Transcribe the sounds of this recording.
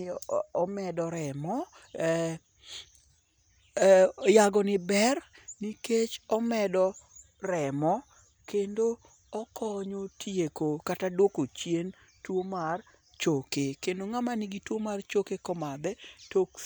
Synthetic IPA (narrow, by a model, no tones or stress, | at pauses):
ɔmɛdɔɾɛmɔ | jaɡɔnɪbɛr | niket͡ʃɔmɛdɔ | rɛmɔ | kendo | ɔkɔɲotʰjekokatadwokot͡ʃjen | twomar | t͡ʃokekendoŋamanɪɡitwomart͡ʃokekɔmad̪ɛtok